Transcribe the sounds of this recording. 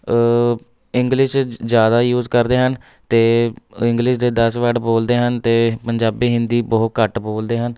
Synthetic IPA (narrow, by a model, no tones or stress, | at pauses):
ɪŋɡlɪʃzjaːd̪aːjuːzkəɾd̪eːɦən | t̪eːɪ̃ŋɡlɪʃd̪eːd̪əsʋəɖboːld̪eːɦənt̪eːpəɲd͡ʒaːbiːɦɪnd̪iːbəːt̪̚kəʈboːld̪eːɦən